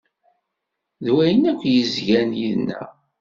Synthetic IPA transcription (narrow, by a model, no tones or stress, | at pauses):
ðwæjənækʷːjəzʝænjiðnːæ̰